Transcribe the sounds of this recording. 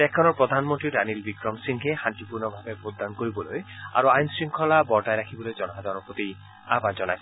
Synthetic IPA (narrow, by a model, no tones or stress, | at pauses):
ɛkʰːɔnɔɹpɹɔd̪ʱanmɔnt̪ɹiɾanilbikɾɔmsiŋɦexant̪ipuɹnɔbʱabebʱot̪̚d̪ankoɹibɔloja̰ɾuajnsɹiŋkʰɔlabɔɹʈajɾakʰibɔlojd͡ʒɔnɔɦad̪ɔnɔpot̪i | a̰bad͡ʒɔnajsʰ